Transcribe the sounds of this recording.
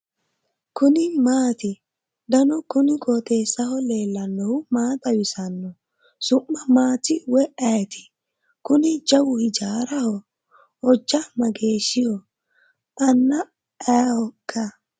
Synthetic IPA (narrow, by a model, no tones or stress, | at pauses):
kʊnɪmaːt̪ɪ | d̪ɐnɔkʊnɪkoːt̪eːsːɐhɔle̞ːlːɐnːɔhʊmaːt̪ɐwɪsɐnːɔ | sʊʔːɐmaːt̪ɪwɛʔɐjɛt̪ɪ̥ | kʊnɪd͡ʒɐwʊhɪd͡ʒaːɾɐhɔ | ɔd͡ʒːɐmɐɡe̞ːʃːɪjɔ | ʔɐnːɐ | ɐjhɔkːɐ